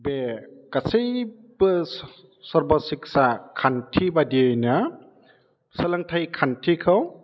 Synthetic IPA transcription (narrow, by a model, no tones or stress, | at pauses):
bekasej | bɯ | sɔɾbɔsik̚sakʰantʰibadiejna | sɐlaŋtʰajkʰantʰikʰaw